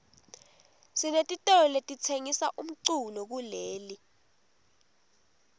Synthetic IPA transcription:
sinetʼitʼɔletʼit͡sʰeŋisaʔum̩ǀulɔk̬uleːli

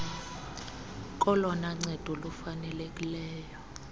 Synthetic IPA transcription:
k̬ʼɔlɔnaŋ͡ǀɛd̥ʱɔlufanɛlekʼilɛːjɔ

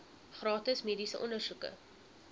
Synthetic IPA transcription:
χrɑːtəsmiːdisə̰ʔɔnərsukə̰

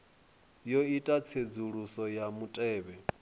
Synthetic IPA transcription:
joitʼat͡sʰed͡zuɺusɔjamutʼɛːβɛ

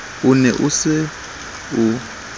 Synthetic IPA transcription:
unɛʔusɪ | u

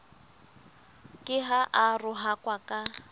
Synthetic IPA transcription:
kʼɪɦaʔarʊɦakʼwakʼa

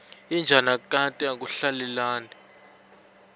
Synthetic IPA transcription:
ind͡ʒʱanakʼatʼɛak̬ʼuɬalɛlaːni

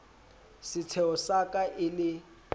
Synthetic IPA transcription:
sɪt͡sʰɛʊsakʼaʔɪlɪ

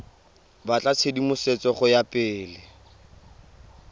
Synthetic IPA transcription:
bat͡ɬʼat͡sʰedimʊset͡sʼɔχʊjapʼɪːlɪ

